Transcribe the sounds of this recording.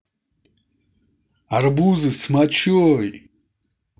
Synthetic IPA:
aɾbuzismat͡ʃʰoj

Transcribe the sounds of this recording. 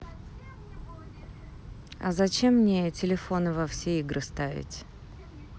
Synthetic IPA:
ɐ̰zɐt͡ɕemːnʲetʲɪlʲɪfo̞nɨvɐfsʲeiɡɾɨst̪avʲɪ̰tʲ

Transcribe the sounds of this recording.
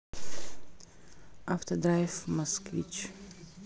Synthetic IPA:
aft̪ɐd̪ɾajfmɐskvʲḭt͡ʃ

